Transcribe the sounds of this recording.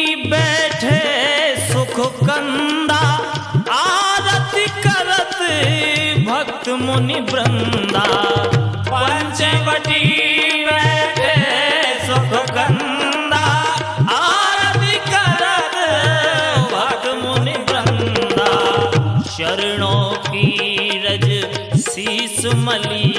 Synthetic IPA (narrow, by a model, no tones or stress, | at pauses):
bɛːʈʰesʊkʰkənd̪a | aɾət̪ikɐɾət̪ | bʱɐk̚t̪mʊnibɾənd̪a | ppəɲt͡ʃepəʈibɛːʈʰesokkən | d̪a | aɾət̪ikɐɾət̪ | bʱɐkt̪monibɾɐnd̪aːʃɐɾɳ̃oːkiɾɐd͡ʒsismɐli